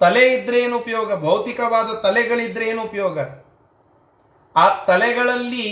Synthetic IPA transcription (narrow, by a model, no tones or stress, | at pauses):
t̪ɐlɛjid̪ɾeːnupɐjoːɡɐbʱɐwt̪ikɐʋaːd̪ɐt̪ɐlɛɡɐɭid̪ɾeːnupɐjɔːɡɐ | aːt̪ɐlɛɡɐɭɐlːi